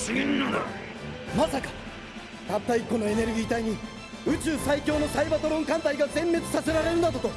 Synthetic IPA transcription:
ɕiɡʲĩnːãd̪a | masakḁ | t̪at̪ːaikːo̞no̞e̞ne̞ɾɯ̟ɡʲiːt̪aiɲ̟i | ɯ̟t͡ɕɨːsaikʲo̞ːno̞saibat̪oɾõ̞ŋkãnt̪aiɡazẽ̞mːe̞t͡sɨ̥sase̞ɾaɾe̞ɾɯ̃nd̪at̪ot̪o̞

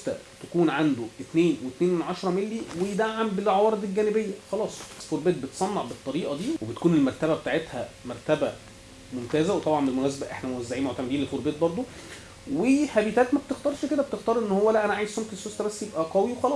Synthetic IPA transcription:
t̪æ̰ | t̪ækuːnʕand̪oʔet̪neːnwet̪neːnwenʕɑʃɑɾˤɑmelːiwejed̪aʕːambelʕɑwɑːɾˤed̪ˤelɡæːnebejːæxɑlɑːsˤæsfoɾˤbeːt̪̚bet̪sˤɑnːɑʕbet̪ˤːɑɾiːʔɑd̪iːwebet̪kuːnelmæɾˤt̪æbæbet̪aːʕet̪hæ̰mæɾˤt̪æbæ | momt̪æːzæwet̪ˤɑbʕɑnmbelmonæːs̬æbæʔḛħnæmowæzːaʕiːmoʕt̪æmed̪iːnlelfoɾbeːt̪̚bɑɾˤd̪ˤo | wehæbiːt̪æːt̪mæb̥̚t̪ext̪ɑːɾˤʃeked̪æbet̪ext̪ɑːɾˤʔenːohowːælæʔænæʕaːjezmomkensːost̪æbæsːjebʔæɡæwiwexɑlɑːsˤ

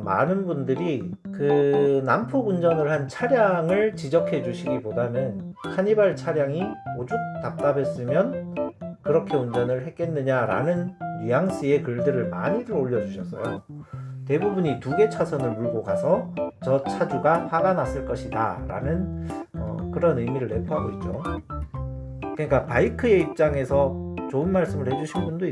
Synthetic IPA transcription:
ma̰nɯnbundɯɾikɯnampʰoɡund͡ʑʌnɯɭhant͡ɕʰaɾjaŋɯɭt͡ɕid͡ʑʌkʰe̞d͡ʑuɕʰiɡibodanɯnkʰaɲibaɭt͡ɕʰaɾjaŋiod͡ʑuk̚t͈ap̚t͈abe̞s͈ɯmjʌnkɯɾʌkʰe̞und͡ʑʌnɯɭɦe̞k̚k͈e̞nːɯɲaɾa̰nɯnjijaŋɕ͈ie̞kɯɭdɯɾɯɭma̰ɲiɾɯɾoʎːʌd͡ʑuɕʰʌs͈ʌjo | te̞bubuɲituɡe̞t͡ɕʰasʰʌnɯɭmuɭɡoɡasʰʌt͡ɕʌt͡ɕʰad͡ʑuɡaɸaɡanas͈ɯɭk͈ʌɕʰida̰ɾa̰nɯnʌ̰kɯɾʌnɯjmiɾɯɭːe̞pʰoɦaɡoit̚t͡ɕ͈o | kɯɲik͈apaikʰɯe̞ip̚t͡ɕ͈aŋe̞sʰʌt͡ɕoɯnmaɭs͈ɯmɯɭhe̞d͡ʑuɕʰinbundoi

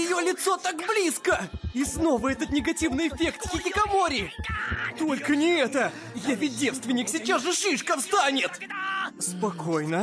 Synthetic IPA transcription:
jɪjo̞lʲɪt̪so̞t̪akblʲiskəisno̞vəɛt̪ət̪nʲɪɡɐtʲivnɨjɪfʲe̞kt̪xʲɪtʲɪkɐmoɾʲɪ | t̪o̞lʲkənʲɪɛt̪ə | javʲɪt̚ʲdʲefst̪vʲɪnʲɪksʲɪt͡ɕasʐɨʂɨʂkəfst̪anʲɪt̪spɐko̞jnə

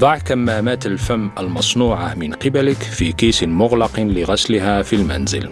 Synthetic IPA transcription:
d̪ˤɑʕkæmːæːmæːt̪əlfæmːəlmɑsˤnuːʕamɪnqɪbæləkfikiːsɪnmʊɣlɑqlɪɣɑslɦæfilmæ̰nzɪ̰l

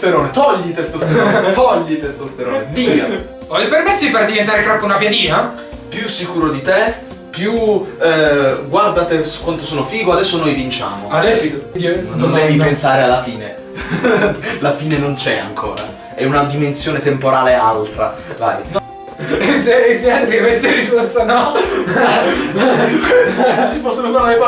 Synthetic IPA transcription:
st̪eɾoːnet̪ɔʎːit̪est̪ost̪eɾot̪ɔʎːit̪est̪ost̪eɾoːnevia | ɔilpermesːoiperd̪ivent̪aːɾekɾapːeunapjad̪iːna | pjusːikuːɾod̪it̪e | pːju | ɡward̪at̪esu̥kːwant̪osoːnofiːɡoad̪ɛsːonojvint͡ʃa̰ːmoad̪s | nond̪ɛvipensaːɾealːafiːne | lafiːnenont͡ʃɛa̰ŋkʰo̰ːɾa̰ | ɛunad̪imensjoːnet̪empoɾaːlealt̪ɾava̰ːjn | sesiɛnt̪epekːkwest̪eɾispɔst̪anɔ | sipɔsːonokaɾaɾekwa

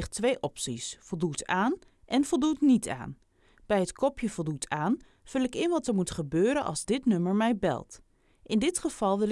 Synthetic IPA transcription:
χtʋejʔɔpsisfolˠdutaːn | ʔɛnfolˠdutnitʰa̰ːn | b̥ɛjətkʰɔpʰjəfɔlˠdutʰaːn | fɵlˠɪkɪnʋɔtəɹmutχəbøːɾənʔɑ̰lˠzdɪtnɵməɹmɛjbɛ̰lˠt | ʔɪndɪtχəv̥ɑlˠʋɪl

